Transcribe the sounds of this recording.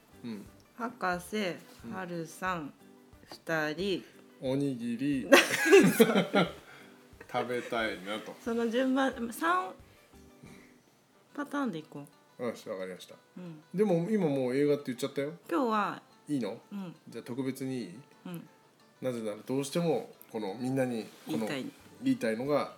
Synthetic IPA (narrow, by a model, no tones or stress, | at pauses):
ɯ̟̃ɴ | hakasehaɾɯ̟sãŋ | ɸɯ̟̥t̪aɾʲi | o̞ɲ̟iɡʲiɾʲina | t̪ʰabe̞t̪ainat̪o̞sonod͡ʑɨ̃mbãmasãɰ | ɯ̃ | pat̪ãːnd̪e̞ikoː | aɕβakaɾʲimaɕi̥t̪ḁ | ɯ̟̃ɴd̪e̞mo̞imamo̞ːe̞ːɡat̪ːe̞jɯ̟t͡ɕːat̪ːajo̞kʲo̞ːβa | iːno̞ɯ̃ɴd͡ʑaːt̪o̞kɯ̟be̞t͡sɨɲ̟iɯ̟̃ɴ | naze̞naɾad̪o̞ːɕi̥t̪e̞mo̞ko̞no̞mʲĩnːaɲ̟ikːonoaiiːt̪aino̞ɡa